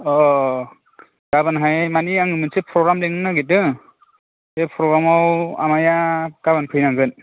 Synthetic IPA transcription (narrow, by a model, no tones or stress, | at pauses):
ɔ | ɡ̥abɯnɦajmaniaŋɯmɯnsepʰɾɔɡɾamleŋɯnaɡetɯ | sepʰɾɔɡɾamawa̰majaɡ̥abɯnpʰɯjnaŋɡɯn